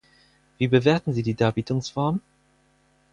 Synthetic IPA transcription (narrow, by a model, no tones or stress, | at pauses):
v̥iːbəveːɐtn̩ziːdiːdaːɐbiːtʊŋsfɔɐm